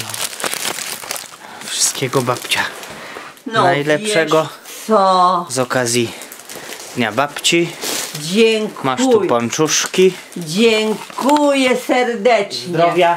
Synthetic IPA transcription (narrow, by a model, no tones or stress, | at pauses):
nɔ | fʂɨ̥st̪kʲɛɡɔbapt͡ɕa | nnajlɛpʂɛɡɔ | sɔzɔkazʲji | dd̪ɲabapt͡ɕid͡ʑɛŋmaʂt̪upɔnt͡ʂuʂkʲi | d͡ʑɛŋkujɛsɛɾd̪ɛt͡ʂɲɾɔvʲja